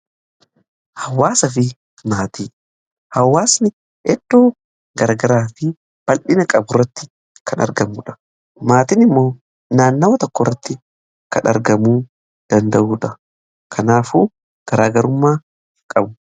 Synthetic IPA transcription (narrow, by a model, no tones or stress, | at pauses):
hɐwːaːsɐfɪ | maːt̪iː | hɐwːaːsnɪ | ɛd̪̥ːo̞ː | ɡɐɾaɡɐɾaːfɪ | b̥ɐlʔɪnɐkʼɐbʊrːɐt̪ːɪ | kʰɐnɐ̰ɾɡɐmuːᶑɐ̥ | maːt̪ɪnɪmːo̞ː | naːnːɐwɐt̪ɔkːɔrːɐt̪ːɪ | kɐnɐ̰ɾɡɐmuː | d̪̥ɐnd̪ɐʔuːᶑɐ | kʰɐnaːfuː | ɡ̥ɐɾaːɡɐɾʊmːaː | kʼɐbʊ